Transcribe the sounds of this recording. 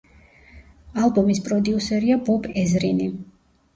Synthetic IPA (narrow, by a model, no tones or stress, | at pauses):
alˠbɔmispʼɾɔd̪iusɛɾiabɔbɛzɾini